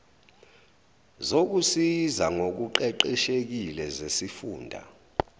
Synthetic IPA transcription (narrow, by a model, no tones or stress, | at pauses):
zok̬usizaŋok̬uǃɛǃɛʃek̬ilɛzesifṵːndʱa̰